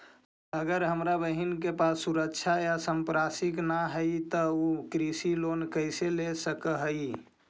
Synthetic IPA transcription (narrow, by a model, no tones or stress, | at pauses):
əɡəɾɦəmɾabəɦinkepasːuɾəkt͡ʃʰajasəmpɾasiknaɦəit̪əukɾisilonkəɪselesəkəɦəi